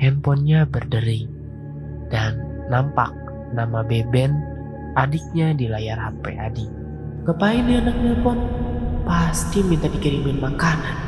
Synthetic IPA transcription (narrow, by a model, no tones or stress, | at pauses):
hɛmpɔnɲabərdəɾi | d̥anː | ampa̰k̚ | namabebɛn | ʔadik̚ɲadilajarhapɛ̰ʔadik̚ | kəpainianak̚ɲapʊnpast̪imint̪adikəɾimɪnmakanan